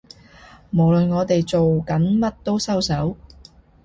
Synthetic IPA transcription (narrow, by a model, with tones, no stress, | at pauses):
mo˨˩wlɵ˨nŋɔː˨˧t̪e˨jt͡so˨wkɐ˨˥nmɐ˥t̚t̪o˥wsɐ˥wsɐ˨˥w